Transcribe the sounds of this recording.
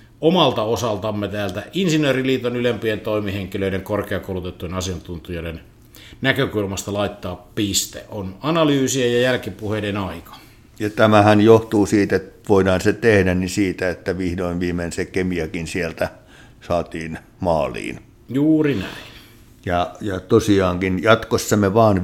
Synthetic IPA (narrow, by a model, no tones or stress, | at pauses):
omɑlt̪ɑosɑlt̪ɑmːet̪æːlt̪æʔinsinˑøːriliːt̪onylempient̪oˑimiheŋkiløˑiɾeŋkorkeɑkoˑulut̪et̪ːujenɑsiɑnt̪unt̪ijoˑiɾen | nækøkulmɑst̪ɑlɑˑit̪ːɑːppist̪ḛʔʔonɑnɑlyːsiejɑjælkipuhedenɑikɑ̥ | jɑt̪æmæhænjoht̪uːsiːt̪et̪ʋoˑidɑːnset̪ehdænnisiːt̪æet̪ːæʋihdoinʋiːmensekemiækinsielt̪æ | sɑːt̪iːn | mɑːlḭːn | juːrinæ̰in | jɑjɑt̪osiɑːŋkinjɑt̪kosːɑmeʋɑːn